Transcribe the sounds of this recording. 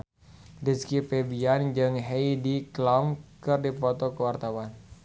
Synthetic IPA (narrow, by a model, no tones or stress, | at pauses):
diskipɛbiand͡ʒɨŋɦeidiklamkɨrdipɔt̪ɔkəwart̪awan